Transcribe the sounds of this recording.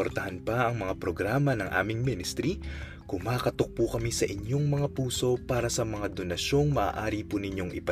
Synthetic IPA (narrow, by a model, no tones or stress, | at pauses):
oɾt̪ɐhɐnpɐʔɐŋmɐŋapɾoɡɾaːmɐnɐŋʔa̰ːmɪŋminɪst̪ɾi | kʊmaːkɐt̪ok̚pukɐmisɐʔɪɲjo̞ŋmɐŋapuːso̞paːɾɐsɐmɐŋad̪onɐʃo̞ŋmɐʔa̰ːʔaːɾipunɪɲjo̞ŋʔɪ̰pɐ